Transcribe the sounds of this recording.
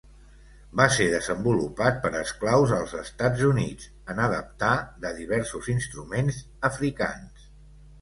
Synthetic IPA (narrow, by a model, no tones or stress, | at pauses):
baseðəzəmbulupat̪̚pəɾəsklawzəlˠzəst̪ad͡zunḭd͡z | ənəðəp̚t̪aðəðiβ̞ɛɾsuzinst̪ɾumenz | əfɾika̰ns